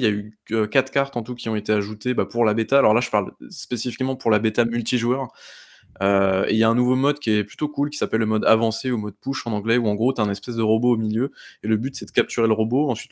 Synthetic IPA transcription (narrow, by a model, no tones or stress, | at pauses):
iljayøkat̪χkaʁt̪ɑ̃t̪ukʲiɔ̃et̪eaʒut̪ebapuʁlabet̪aːlɔʁlaʒəpaʁlspesifikmɑ̃puʁlabet̪amylt̪iʒwœʁ | øḛjaɛ̃nuvomɔd̪kʲiɛply̥t̪okulkʲi̥sapɛlːəmɔd̪avɑ̃seumɔd̪̚puʃɑ̃nɑ̃ɡlɛuɑ̃ɡʁot̪yɛ̃nɛspɛs̬d̪əʁɔboːmiljøeləbyt̪sɛd̪əkʲap̚t̪yʁeləʁoboɑ̃sɥit̪